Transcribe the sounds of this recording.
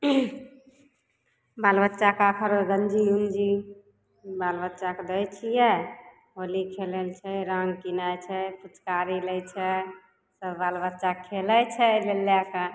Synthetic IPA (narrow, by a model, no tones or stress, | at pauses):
balbətːʃakakʰəɾɡənd͡ʒijumd͡ʒi | balbətːt͡ʃaked̪əjt͡ʃʰijɛ | olikʰelelt͡ʃʰɛɾəŋɡkinajt͡ʃʰɛput͡ʃkaɾilɛjt͡ʃʰɛ | səbbalbətːʃakʰːelɛt͡ʃʰɛbelːjake